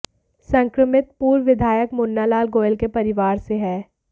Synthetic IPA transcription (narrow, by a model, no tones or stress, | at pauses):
sɐ̃ŋkɾəmɪt̪̚puːɾʋɪd̪ʱaːjəkmʊnːalaːlɡoːjlkepɐɾɪʋaːɾseɦɛː